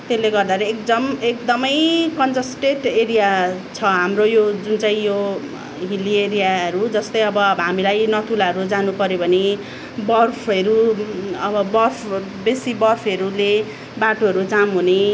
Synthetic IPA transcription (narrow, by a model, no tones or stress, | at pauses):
t̪elːeɡʌrd̪aɾʌek̚d̪ʌmekd̪ʌmʌjkʌnd͡zʌsʈeʈeɾijat͡sʰʌɦamrojod͡zunt͡saĩjo | ɦilieɾijaɦʌɾud͡zʌst̪ʌjʌbʌɦamilajnʌt̪ʰulaɦʌɾud͡zanupʌɾjobʱʌne | bʌrpʰʌɾuʌbʌbʌrpʰ | besibʌrpʰʌɾule | baʈoʌɾud͡zamɦune